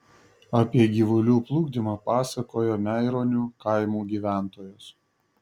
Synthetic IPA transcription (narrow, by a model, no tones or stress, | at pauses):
ɐpʲiɛɡʲiːʋʊlʲuːplˠuːɡd̪ʲimɑpɑːsɐkoːjoːmʲɛɪɾoːnʲuːkɐɪmuːɡʲiːʋʲæˑnt̪oːjʊs